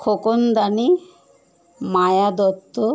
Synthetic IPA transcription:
kʰokond̪ani | majad̪ɔt̪ːo

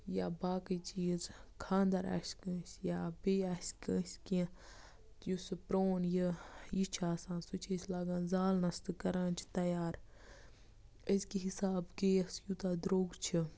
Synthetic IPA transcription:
jaːbaːkət͡ʃʰijzkʰãːnd̪ɐɾa̰ːskə̃ːsʲjaːbeːasʲkə̃ːsʲkĩ | t̪jusɨpɾoːnjəjit͡ʃʰaːsãːnsut͡ʃʰesʲlaːɡãːnzaːlnɐst̪ɨkɐɾãːnt͡ʃʰi̥t̪ɐjaːɾ | əzkiɦisaːbkeːɐsjut̪aːd̪ɾoːɡt͡ʃʰi

